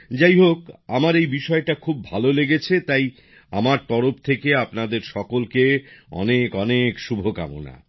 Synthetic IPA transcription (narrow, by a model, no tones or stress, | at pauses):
d͡ʑajɦokamaɾejbiʃɔeʈakʰubbʱaloleɡet͡ɕʰet̪aj | a̰maɾt̪ɔɾoft̪ʰekeapnad̪eɾʃɔkolkeɔ̰nekɔnekʃubʱoka̰mo̰na̰